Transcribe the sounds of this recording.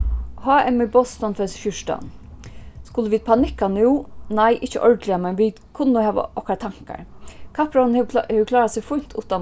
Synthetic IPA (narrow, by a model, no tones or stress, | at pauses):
hɑːɛmɪbɔst̪ɔnfɛsʃʏʃta̰n | skʊləʋiːd̪̚pʰanɪkːanuwnajʔɪht͡ʃə̰ʔɔɹd̪lɪamɛnʋiːd̪kʰʊnːʊhæːʋa̰ʔɔhkat̪ʰaŋ̥ka̰ɹkʰapɾannhɛʋkʰlɑːɾasɪɡfʊjn̥t̪ʰuːt̪a